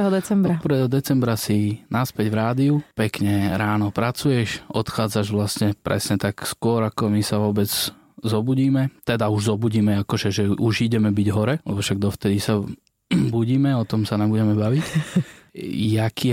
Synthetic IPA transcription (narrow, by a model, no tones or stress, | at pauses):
ɦɔd̪ɛt͡sɛmbɾaɔpɾ̩ʋɛːɦɔd̪ɛt͡sɛmbɾasinaspɛɟvɾaːd̪iupɛkɲɛɾaːnɔpɾat͡sujɛʃɔt̪xaːd͡zaʒʋlasɲɛpɾɛ̰sɲɛt̪akskʊɔɾakɔmisaʋɔbɛd͡z | zɔbuɟiːmɛt̪ɛd̪auʒzɔbuɟiːmɛakɔʒɛʒɛʔuʒiɟɛmɛbiɟɦɔɾɛlɛ̰bɔʃaɡ̚d̪ɔft̪ɛd̪isa | buɟiːmɛɔt̪ɔmsanambuɟɛmɛbaʋic | jakʰiː